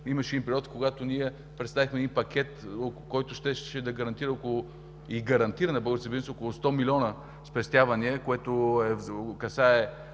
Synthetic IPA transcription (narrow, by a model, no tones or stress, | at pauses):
imɐʃɛd̪inpɾiɔt̪koɡat̪oniɛ | pɾɛt̪st̪avixmɛd̪inpɐkʲɛt̪okːɔjt̪ʊʃt̪ɛʃʃɛd̪ɐɡɐɾɐnt̪iɾəokʊlˠʊ | iɡɐɾɐnt̪iɾənɐbɔɡ̪səbizsokolˠʊst̪ɔmilʲiɔnə | spɛst̪ʲjavɐniəkoɛt̪oɛvkɐsaɛ